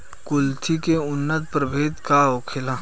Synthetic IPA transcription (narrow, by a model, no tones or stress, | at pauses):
kʊlt̪ʰikeʊnːət̪̚pɾəbʱeːt̪kaoːkʰɪla